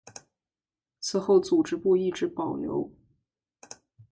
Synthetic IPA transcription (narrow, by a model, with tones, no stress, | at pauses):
t͡sʰɹ̩˧˥xo˥˩ʊt͡su˨˩ʈ͡ʂɻ̩˧˥pu˥˧i˥˩ʈ͡ʂɻ̩˧˥pɑ˨˩ʊnjo̰˧˥ʊ